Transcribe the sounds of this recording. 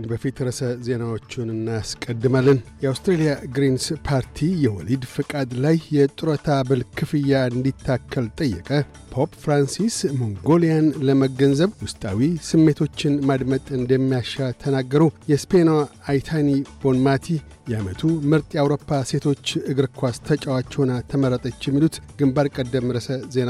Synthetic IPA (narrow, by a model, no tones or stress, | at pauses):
nbəfit̪ɾəsəze̞nawo̞t͡ʃːɪnɨnːaskʼəd̪ːɨmalːənjɛawst̪ɾelijaɡɾinspʰaɾt̪ʰijɛwɔ̰lid̪fɨkʼad̪lajːɛt̪ʼɨɾət̪ʰabɨlkʰɨfɨjːaɨnd̪it̪ʰːakʰːəlt̪ʼəjːɛ̰kʼə | pʰo̞pfɾansismoŋɡo̞lijanləməɡənzəβwʊst̪ʼa̰wisɨmːe̞t̪ʰo̞t͡ʃːɪnmad̪mət̪ʼɨnd̪əmːijaʃat̪ʰənaɡːəɾuwjɛspenaːjt̪ʰanib̥o̞nmat̪ʰi | jɛamət̪ʰumɨɾt̪ʼiawɾo̞pːase̞t̪ʰo̞t͡ʃːɨɡɨɾkʰʷast̪ʰət͡ʃʼawat͡ʃːɛwnat̪ʰəməɾːət̪ʼət͡ʃːjɛmːilut̪ɡ̥ɨmbaɾkʼəd̪ːəmɾəsəze̞na